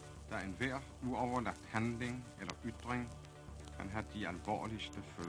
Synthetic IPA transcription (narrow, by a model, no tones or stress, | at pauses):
d̥æenʋæɐ̰ | uɒʊɐlɑ̈ɡ̥̚d̥hænleŋelɐʔyd̥ʁeŋ | kʰænɦæd̥iælʋɒ̰ːlisd̥əføː